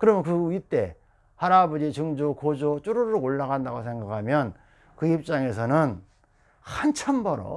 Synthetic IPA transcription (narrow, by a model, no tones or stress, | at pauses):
kɯɾʌmjʌnkɯit͈e̞ | haɾabʌd͡ʑit͡ɕɯŋd͡ʑokod͡ʑot͡ɕ͈uɾoɾooɭːaɣandaɡosʰe̞ŋɡakʰamjʌn | kɯip̚t͡ɕ͈aŋe̞s̬ʰʌnɯn | hant͡ɕʰambʌɾo̰